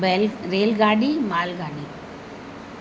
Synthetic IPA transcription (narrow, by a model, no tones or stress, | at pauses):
elɾeːlɡaːɖimaːlɡaːɖi